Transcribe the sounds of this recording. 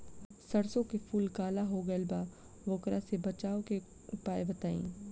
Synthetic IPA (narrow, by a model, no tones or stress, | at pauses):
sɐɽsõkefʰuːlkaːlaɦoɡɐlbaː | ʋoːkɾãsebɐt͡ʃaːoke | ʊpaːebɐt̪aːḭ̃ː